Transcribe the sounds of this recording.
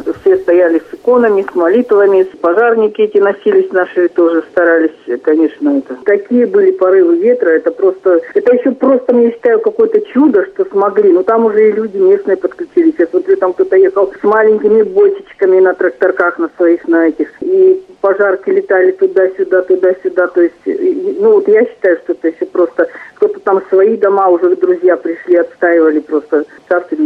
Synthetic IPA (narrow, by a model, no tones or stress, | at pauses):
fsʲe̞st̪ɐjælʲɪsɨko̞nəmʲɪsmɐlʲit̪vəmʲɪspɐʐarnʲɪkʲɪɛtʲɪnɐsʲilʲɪsʲnaʂɨt̪o̞ʐɨst̪ɐɾalʲɪsʲkɐnʲe̞ʂnəɛt̪ət̪ɐkʲijəbɨlʲɪpɐɾɨvɨvʲe̞t̪ɾəɛt̪əpɾo̞st̪əɛt̪əjɪɕːopɾo̞st̪əmjaɕːɪ̥t̪ajʊkɐko̞jt̪ət͡ɕud̪əʂt̪o̞smɐɡlʲinut̪amʊʐɛilʲudʲɪmʲe̞snɨjəpət̪klʲʉt͡ɕilʲɪsʲɛt̪vot̪vʲjʲet̪əmk̚t̪ot̪əjexəlˠsmalʲɪŋʲkʲɪmʲɪbojt͡ɕɪt͡ɕkəmʲɪnət̪ɾək̚t̪ɐrkaxnəsvɐixnɐɛtʲɪxipɐʐarkʲɪlʲɪt̪alʲɪt̪ʊd̪asʲʊd̪at̪ʊd̪asʲʊd̪at̪o̞jɪsʲtʲnuvot̪jaɕːɪ̥t̪ajʊʂt̪o̞ɛt̪əjɪɕːopɾo̞st̪əkt̪o̞t̪ət̪amsvɐid̪ɐmaʊʐɛd̪ɾʊzʲjapɾʲɪʂlʲiɐt̪st̪aɪvəlʲɪpɾo̞st̪əsast̪ʲvʲɪnʲ